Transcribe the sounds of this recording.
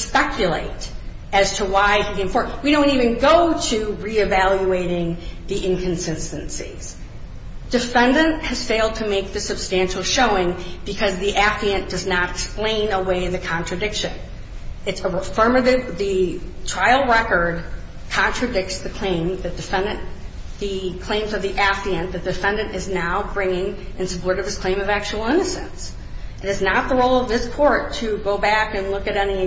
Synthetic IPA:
spɛkjɨlḛɪɾ | ɨz̥tʰəwaɪhiðiɨ̃ɱfɔɹwiɾõʊ̃ntivɨ̃nɡoʊɾɨɹiɨvælˠjueɪɾɪ̃ŋðiʔɪ̃nkʰɨ̃n̩sɪnstɨ̃nsḭz̥ | d̥ɨfɛ̃ndɨ̃nʔhɨz̥feɪlˠd̚tʰɨmeɪk̚ðɨsɨb̥stæ̃nʃl̩ˠʃoʊɪ̃ŋb̥ɨkʰʌzðiʔæfliɨ̃nd̥ʌznəɾɨksplẽɪ̃nəweɪðɨkʰɑ̃ntt͡ʃɹ̥ɨdɪkʃɨ̰̃n | ɨtsəfɜ˞mɨɾɨvðɨtʰɹ̥aɪl̩ˠɹɛkə˞d̚ | kʰɑ̃nt͡ʃɹ̥ɨdɪk̚tsðɨkʰl̥ẽɪ̃mðɨd̥ɨfɛ̃ndɨ̃n | ðɨkʰl̥ẽɪ̃mzʌvðiʔæfiɨ̃nðɨd̥ɨfɛ̃ndɨ̃nɨznaʊbɹɪ̃ŋɪ̃ŋ | ʔɨ̃nsɨpʰɔɹɾɨvɨz̥kʰl̥ẽɪ̃mʌvæk̚t͡ʃul̩ˠɪ̃nɨsɨ̃ns | ʔɨɾɨznət̪̚ðəɹoʊlˠʌvðɪskʰɔɹtʰɨɡoʊbækɨ̃nlʊkɨɾɛni

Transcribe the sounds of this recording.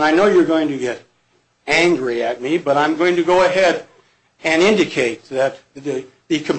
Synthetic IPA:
naɪnoʊjə˞ɡoʊɪ̃ŋtʰɨɡɛɾ | æ̃ŋɡɹiɨt̚mibʌɾãɪ̃mɡoʊɪ̃ŋtɨɡoʊɨɦɛɾ | ɨ̃nɪ̃ndɨkʰeɪt̪̚ðɨt̪̚ðɨ | ðɨkʰɨ̃m

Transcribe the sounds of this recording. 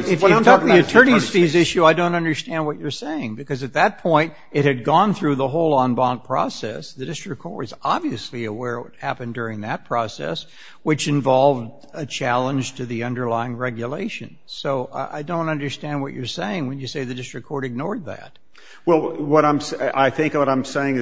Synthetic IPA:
ɨfɨkʰʌt̪̚ðiɨtʰɜ̃˞ñiz̥fizɪʃʉaɪdõʊ̃ntʌ̃ndə˞stæ̃nd̚wʌt͡ʃə˞seɪɪ̃ŋbɨkʌzɨt̪̚ðɨt̚pʰɔ̃ɪ̃nt | ɨt̚hɨd̚ɡɔ̃nθɹʉðəɦoʊlˠə̃nbɑ̃ŋ̚pʰɹ̥ɔ̰sɛ̰sðɨdɪstɹ̥ɨkʰɔɹtɨzɑbviɨsliɨwɛɹwʌ̰t̚hæpɨ̃ndʊɹɪ̃ŋðɨt̚pʰɹ̥ɔsɛ̰s | wɨt͡ʃɨ̃ɱvɑlˠvd | ɨt͡ʃʰælˠə̃nd͡ʒ̥tʰɨðiʌ̃ndə˞laɪɪ̃ŋɹɛɡjɨleɪʃɨ̰̃n | soʊa̰ɪdõʊ̃ntʌ̃ndə˞stæ̃nd̚wʌ̰t͡ʃə˞seɪɪ̃ŋwɨ̃njɨseɪðɨdɪstɹ̥ɨkʰɔɹɾɨɡ̚nɔɹd̪̚ðæ̰t̚ | wɛlˠwʌɾãɪ̃msaɪθɪ̃ŋkwʌɾãɪ̃mseɪɪ̃ŋɨ

